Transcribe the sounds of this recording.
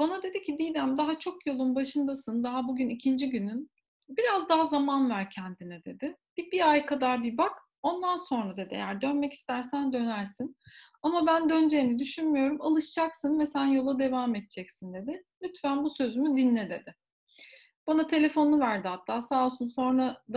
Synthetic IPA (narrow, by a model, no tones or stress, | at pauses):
b̥anad̪e̞d̪icʰid̪ijd̪æmd̪aɦat͡ʃʰo̞kjo̞lˠunbaʃɯnd̪asɯnd̪aɦabuɟynicʰind͡ʒiɟynyn | biɾazd̪aɦazamanvæɾcʰɛnd̪inɛd̪e̞d̪ɪb̥ibiajkʰad̪aɾbibak | o̞nd̪anso̞nɾad̪e̞d̪ɪḛjæɾd̪ø̞nmɛci̥st̪æɾsænd̪ø̞næɾsin | amabænd̪ø̞nd͡ʒejinid̪yʃynmyjo̞ɾumalˠɯʃd͡ʒaksɯnvɛsænjo̞lˠad̪e̞vaːmɛt̪̚t͡ʃʰɛcsind̪e̞d̪ɪmyt̪fænbusø̞zymyd̪inlːʲɛd̪ed̪ɪ | b̥anat̪ʰe̞lʲe̞fo̞nuvæɾd̪ihat̪ʰːaːsaːlˠsunso̞nɾad̪